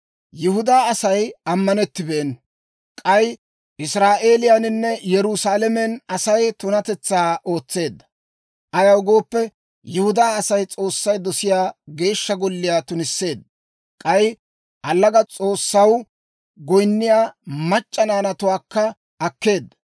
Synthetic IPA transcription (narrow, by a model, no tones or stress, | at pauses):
jɪhʊd̪aːɐsɐjɐmːɐnɛt̪ːɪbeːn | kʼɐj | ʔɪsɾaːʔe̞ːlɪjanɪnːɛjɛɾʊsaːlɛmɛnɐsɐjt̪ʊnɐt̪ɛt͡sːaːʔo̞ːt͡sːe̞ːd̪ːɐ̥ | ʔɐjɐwɡo̞ːpːɛ | jʊhʊd̪aːɐsɐjt͡sʼo̞ːsːɐjd̪ɔsɪjaːɡe̞ːʃːɐɡɔlːɪjaːt̪ʊnɪsːe̞ːd̪̚ːɐ | kʼɐj | ʔɐlːɐɡɐt͡sʼo̞ːsːɐw | ɡɔjnːɪjaːmɐt͡ʃʼːɐnaːnɐt̪ʊwaːkːɐ | ʔɐkːe̞ːd̪ːɐ̥